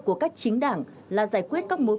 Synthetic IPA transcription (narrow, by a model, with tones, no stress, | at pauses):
ku˧˩əkaː˦˥k̚t͡ɕï˨˦ŋ̟ɗa̰ː˧˩ŋ | laː˨˩zaː˧˩jkwi˦˥ət̚kaː˦˥k̚mo˨˦